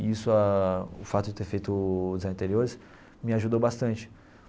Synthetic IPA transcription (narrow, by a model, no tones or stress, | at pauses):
isʊaʊfat̪ʊd͡ʒɪt̪eɾfejt̪ʊzãɐ̃t̪eɾioɾɪs | mɪaʒud̪owbast̪ɐ̃nt͡ʃɪ̥